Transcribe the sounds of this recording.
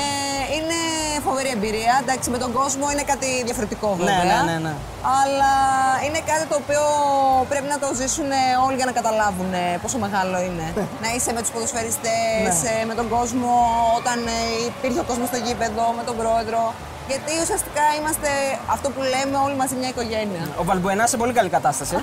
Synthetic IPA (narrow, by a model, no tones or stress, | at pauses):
ine̞fo̞veɾie̞mbiɾiɐd̪ɐksime̞t̪o̞ɡo̞zmo̞ine̞kɐt̪iðjʝɐfo̞ɾet̪iko̞veveɐnn | ɐlɐine̞kɐt̪it̪o̞ːpio̞pɾe̞pinɐt̪o̞zisune̞o̞liʝɐnɐkɐt̪ɐlɐvune̞po̞so̞me̞ɣɐlo̞ine̞nɐise̞met̪uspoðosfe̞ɾist̪esme̞t̪o̞ɡo̞zmo̞ot̪ɐnipiɾçeo̞ko̞zmo̞st̪o̞ʝipe̞ðo̞me̞t̪o̞bɾo̞e̞ðɾo̞ | ʝɐt̪iusiɐst̪i̥kɐimɐst̪e̞ɐft̪o̞pule̞me̞o̞limɐzimɲɐiko̞ʝe̞niɐovɐlbuenɐsepo̞likɐlikɐt̪ɐst̪ɐsi